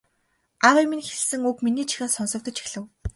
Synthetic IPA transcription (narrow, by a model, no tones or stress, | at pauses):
aʁiminxeɮsɘ̆ŋukminiːt͡ɕʰi̥xʲaːsɔnsɞ̆k̚t̪ɞ̆t͡ɕi̥xɮɘ̆w